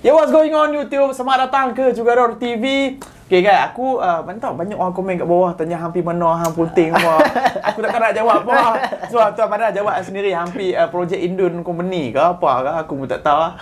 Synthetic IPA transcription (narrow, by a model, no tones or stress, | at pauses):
iwɔsɡoɪ̃ŋɔnjut̪up̚samaʔdat̪aŋkəd͡ʒuɡaɾɔɾt̪ivi | keɡaja̰kuəmant̪aʔbaɲakoɾaŋkɔmɛ̃nkaʔbawaht̪aɲaɦampimənɔ̃ɦaŋpunt̪ɪŋpaa̰kut̪akənaʔd͡ʒawap̚pasoat̪uapadad͡ʒawap̚səndiɾiɦampiəpɾod͡ʒɛkindʊnkɔmpənikapa̰kaakumut̪a̰ʔt̪a